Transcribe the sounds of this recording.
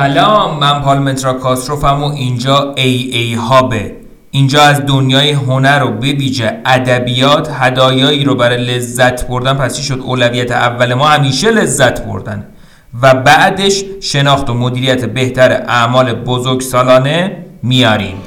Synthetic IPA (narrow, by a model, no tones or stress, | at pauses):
ælɒːmːæmpʰɒːɾlme̞nt̪ɾɒkʰɒsɾofæɾmoʔind͡ʒɒːejejhɒːbe | iːnd͡ʒɒːæzd̪onjɒːjeɦonæɾobe̞viːd͡ʒeæd̪æbijɒːt̪ʰhæd̪ɒːjɒːiːɾobæɾɒːjele̞zːæt̪ʰboɾd̪ænpʰæst͡ʃʰiʃo̞d̪oːlævijæt̪ʰeævːæle̞mɒːhæmiːʃe̞le̞zːæt̪ʰbo̰ɾd̪æn | væbæʔd̪e̞ʃʃe̞nɒːxt̪omod̪iːɾijæt̪ʰebe̞ht̪æɾḛʔæʔmɒːle̞bozoɾɡsɒːlɒːne̞mijɒːɾḭːm